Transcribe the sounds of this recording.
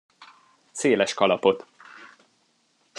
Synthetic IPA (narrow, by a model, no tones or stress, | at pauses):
seːlɛʃkɒlɒpo̞t̪